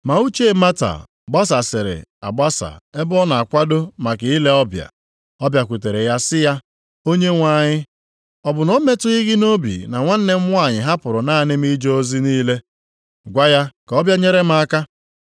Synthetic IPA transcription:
ma˨u˦t͡ʃe˦˨ma˦ta̰˨ | ɡ͡ba˦s̬a˨sɪ˨ɾɪ̰˨a̰˨ɡ͡ba˦sa̰˨e˦bɔ˦na˨a˨kʷa˦do˦ma˨kɪ˨i˦le˦ɔ˦bja̰˨ | ɔ˦bja˨kʷu˨te˨ɾe˨ja˦sɪ˦ja˦ | o˦ɲe˦ŋʷa˦˨ɲɪ˦ | ɔ˨bʊ˨nɔ˦me˦tʊ˦i˦ɣɪ˦no˦bḭ˨na˨ŋʷa˦n̩˦ne˦m̩˦ŋʷ˦a˦˨ɲɪ˨ɦa˦pʊ˨ɾʊ˨na˦nɪ˦m̩˦i˦d͡ʒo˦o˦zi˦niː˦le˦ | ɡʷa˦ja˦ka˨ɔ˦bja˦ɲe˦ɾe˦m˦a˦˨a˦ka˦

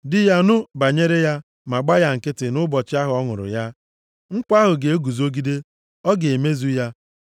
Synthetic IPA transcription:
dɪ˦ja˦nʊ˦ba˨ɲe˦ɾe˦ja˦ | ma˨ɡ͡ba˦ja˦ŋ̩˨kɪ˦tɪ˨nʊ˦bɔ˨t͡ʃɪ˦a˦ɦʊ˨˦ɔ˦ŋʊ̰˨ɾʊ̰˨ja˦ | ŋ̩˦k͡pa˦ɦʊ˨ɡe˨e˦ɡu˨zo˦ɡi˦de˦ | ɔ˦ɡe˨me˦zu˦ja˦

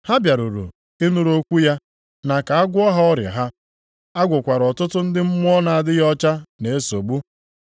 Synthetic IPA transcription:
ha˦bja˨ɾu˨ɾṵ˨ | e˦nu˦ɾo˦kʷu˦ja˦ | na˨ka˨a˦ɡʷʊ˦ɔ˦ɦa˦ɔ˦ɾjɪ̰˨ɦa˦ | a˦ɡʷʊ˨kʷa˨ɾɔ˨tʊ˦tʊ˦n̩˦dɪ˦m̩˦mʊ˦ɔ˦na˨a˨dɪ˦jɔ˦t͡ʃa˦ne˨e˦so˨ɡ͡bu˦

